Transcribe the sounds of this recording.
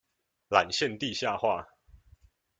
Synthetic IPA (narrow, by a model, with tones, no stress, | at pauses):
la˨˩nɕjɛ˥˨nt̪i˥˨ɕja˥˨xwa˥˨